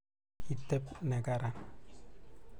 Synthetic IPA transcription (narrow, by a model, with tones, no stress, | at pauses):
i˨tːɛ˦p̚nɛ˨ka˦ɾa˨n